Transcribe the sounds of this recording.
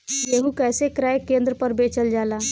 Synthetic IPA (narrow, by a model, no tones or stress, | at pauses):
jeɦũkɛjsekɾajkẽnd̪ɾəpəɾbet͡ʃəld͡ʒala